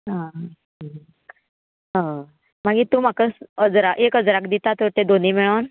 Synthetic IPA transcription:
ɦã | ɦã | m̤aɡiːt̪ũːm̤akəsəd͡zɾaʔekəd͡zɾakd̪it̪at̪əɾt̪ed̪oniːmiɭən

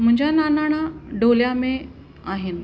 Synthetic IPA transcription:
m̤əɲd͡ʑʱjananaɽ̃aɖoljame | aɦen

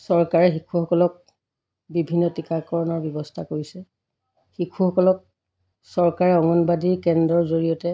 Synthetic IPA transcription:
sɔɹkaɹɛxikʰuxɔkɔlɔk̚ | bibʱinːɔtikakɔɹɔnɔɹbjɔbɔstʰakoɹisɛ | xikʰuxɔkɔlɔk̚ | sɔɹkaɹɛɔŋɔnbadiɹkɛndɹɔɹzoɹijɔtɛ

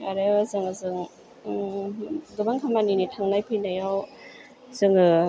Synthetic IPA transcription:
aɾeazɯŋɯzɯŋ | dɔbaŋkʰamaninitʰaŋnajpʰɯjnajaw | z̥ɯŋɯ

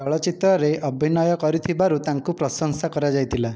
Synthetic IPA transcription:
ɔɭɔt͡ʃit̪ɾɔɾeʔɔbʱinɔjɔkɔɾit̪ʰibaɾut̪aŋkupɾɔsɔŋsakɔɾad͡ʒajt̪ʰila

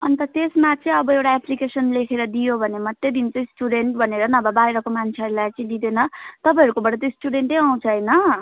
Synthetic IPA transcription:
ʌnt̪ʌt̪esmat͡sʌĩʌbʌewʈaeplikesʌnlekʰeɾʌd̪ijobʱʌnemʌt̪ːed̪int͡sʌĩsʈuɖeɳʈbʱʌneɾʌnʌbʌbajɾʌkomant͡sʰeʌɾulajt͡sʌĩd̪id̪enʌt̪ʌpãj̃ʌɾukobʌʈʌt̪josʈuɽeɳʈʌjaw̃t͡sʰʌɦʌjnʌ

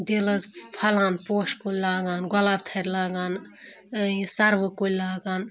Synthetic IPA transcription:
d̪elɐzpʰɐlaːnpoːʃkolʲlaːɡaːnɡɐlaːb̚t̪ʰɐɾʲlaːɡaːn | sɐɾʋɨkolʲlaːɡaːn

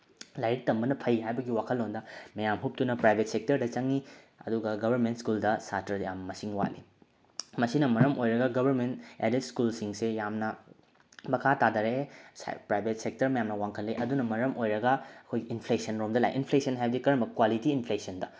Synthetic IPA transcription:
lajɾik̚tɐmbɐnɐpʰɐjɦajbɐɡiwakʰɐlːondɐmɐjamɦup̚tunɐpɾajbʱet̚sek̚tɐɾdɐt͡ʃɐŋi | ɐ̰duɡɐɡɐbʱɐɾment̚skuldɐsatʰɐjamːɐsiŋwa̰lḭ | mɐsinɐmɐɾɐmojɾɐɡɐɡɐbʱɐɾmentḛdit̚skulsiŋsejamnɐ | mɐkʰatadɐɾespɾajbʱet̚sek̚tɐɾmɐjamnɐwaŋkʰɐlːiʔɐdunɐmɐɾɐmʔojɾɐɡɐɐkʰojɡiinpʰlesɐnɾomdɐla̰jʔinpʰlesɐnɦajbɐdikɐɾɐmbɐkwalitiinpʰlesɐndɐ

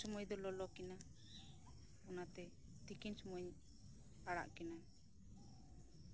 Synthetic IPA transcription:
sɔmɔjd̪ɔlɔlɔkɛna | ɔnat̪ɛ | t̪ikinsɔmɔɲ | aɽa̰ʔkɛna

